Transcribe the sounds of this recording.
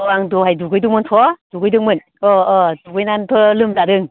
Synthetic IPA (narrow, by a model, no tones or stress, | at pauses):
ɔaŋdɔɦajduɡɯjdɯŋmɯntʰɔd̥uɡɯjdɯŋmɯn | ɔːduɡɯjnantʰɔlɯmzadɯŋ